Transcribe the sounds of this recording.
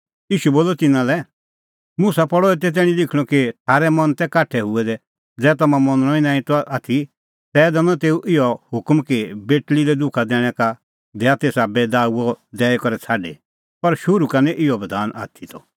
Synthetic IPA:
iːʃuboːlːɔt̪ɪnãlɛ | mʊsapɔɽɔɛt̪̬ɛt̪̬ɛːɽ̃ĩlɪkʰɽ̃ɔ̃kit̪ʰaːɾɛmɐnt̪ɛkaːʈʰːɛɦʊɛd̪ɛ | d͡zɛːt̪ɐmãmɔ̃nɽ̃ɔĩnãːĩt̪ɔʔaːt̪ʰi | t̪ɛːd̪ɛnɔ̃t̪eːuʔɪjɔhʊkmkibeːʈliɾɛd̪ʊkʰad̪ɛːɽ̃ɛka | d̪ɛːat̪eːsabɛːd̪aːuɔd̪ɛːɛkɔɾɛt͡sʰaːɖe | pɐɾʃʊɾukanɛʔɪɔbɐd̪ʱaːna̰ːt̪ʰit̪ɔ

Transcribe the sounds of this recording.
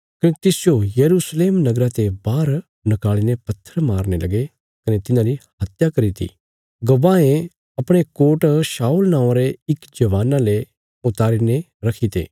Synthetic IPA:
kɐnet̪ɪsɪjojɐɾuːsleːmnɐɡɾat̪ebaːɾ | nɐkaːɭinepɐt̪ʰːəɾmaːɾnelɐɡe | kɐnet̪ɪnãɾihɐt̪jakɐɾit̪ʰḭ | ɡɐʋaːẽ | ɐpɽ̃ekoːʈsaːulnãːõɾeɪkd͡ʒɐʋaːnãle | ʊt̪aːɾine | ɾɐkʰit̪ḛː

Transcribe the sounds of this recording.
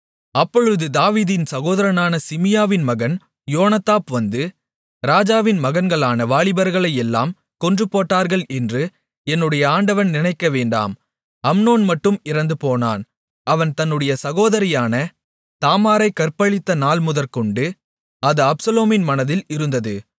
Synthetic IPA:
ɐpːɔɻɯðɯd̪aːʋiːðɪnsɐɣoːðɐɾɐnaːnɐsɪmɪjaːʋɪnmɐɣɐn | joːnɐt̪aːpʋɐnd̪ɯ | ɾaːd͡ʒaːʋɪnmɐɣɐnɡɐɭaːnɐʋaːɭɪbɐɾɣɐɭɐɪjɛlːaːm | kɔndrɯpːoːʈːaːɾɣɐɭɛndrɯ | ɛnːɯɽɐjɐaːɳɖɐʋɐnnɪnɐɪkːɐʋeːɳɖa̰ːm | ɐmnoːnmɐʈːɯmɪɾɐnd̪ɯpoːna̰ːn | ɐʋɐnt̪ɐnːɯɽɐjɐsɐɣoːðɐɾɪjaːnɐ | t̪aːmaːɾɐɪkɐɾpɐɭɪt̪ːɐnaːlmʊðɐɾkɔɳɖɯ | ɐðɯɐpsɐloːmɪnmɐnɐðɪlɪɾɯnd̪ɐðɯ̰

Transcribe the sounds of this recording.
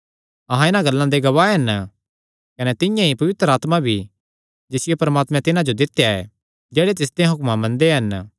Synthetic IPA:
ɐɦãɪnãɡɐlːãd̪eɡɐʋaːeɦɐn | kɐnɛt̪ɪjãɦipɐʋɪt̪ɾəaːt̪mabʱi | d͡ʒɪsɪjepɐɾmaːt̪mɛ̃t̪ɪnãd͡ʒod̪ɪt̪ːejaɛ̰ | d͡ʒɛːɽet̪̬ɪs̬d̪ẽɦʊkmãmɐ̃nd̪eɦɐn

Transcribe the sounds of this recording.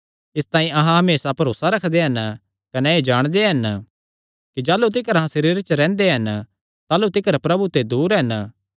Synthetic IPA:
ɪst̪ãːĩʔɐɦãɦɐmeːsapɐɾoːsaɾɐkʰd̪eɦɐn | kɐneed͡ʒaːɽ̃d̪eɦɐn | kid͡ʒaːlut̪̬ɪkəɾɐɦãsɐɾiːɾt͡ʃɾɛ̃ːnd̪eɦɐn | t̪aːlut̪ɪkəɾpɾɐbut̪ed̪uːɾɦɐn

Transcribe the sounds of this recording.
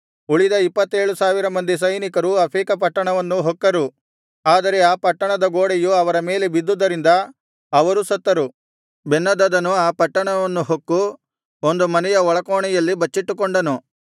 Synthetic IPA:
uɭid̪ɐipːɐt̪ːe̞ːɭusaːʋiɾɐmɐnd̪is̬ɐjnikɐɾuɐpʰɾiːkɐp̬ɐʈːɐɳɐʋɐnːuɦokːɐɾu | aːd̪ɐɾe̞aːpɐʈːɐɳɐd̪ɐɡoːɽejuɐʋɐɾɐme̞ːle̞bid̪ːud̪ːɐɾind̪ɐ | ɐʋɐɾusɐt̪ːɐɾu | benːɐd̪ɐd̪ɐnuaːpɐʈːɐɳɐʋɐnːuɦokːu | ond̪umɐnɛjɐɔɭɐkoːɳɛjɐlːibɐt͡ʃːiʈːukoɳɖɐnu

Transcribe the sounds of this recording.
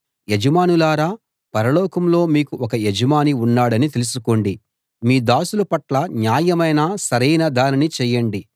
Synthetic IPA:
jed͡ʒɐmaːnulaːɾaː | pɐɾɐlɔːkɐmlo̞ːmiːkuʔɔkɐjed͡ʒɐmaːniunːaːɽɐnit̪e̞lusuko̞ːɳɖi | miːd̪aːsulɐpɐʈlɐɲjaːjɐmɐjnasɐɾɐjnɐd̪aːninit͡ʃɛːjːɐɳɖi

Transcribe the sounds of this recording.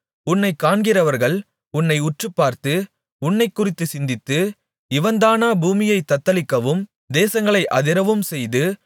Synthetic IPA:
ʊnːɐɪkːaːɳɡɪrɐʋɐɾɣɐɭ | ʊnːɐɪʊʈrɯpːaːɾt̪ɯ | ʊnːɐɪkːʊrɪt̪ːɯsɪnd̪ɪt̪ːɯ | ɪʋɐnd̪aːnaːbuːmɪjɐɪt̪ːɐt̪ːɐlɪkːɐʋɯm | d̪eːsɐŋɡɐɭɐɪʔɐðɪɾɐʋɯmsɛjðɯ

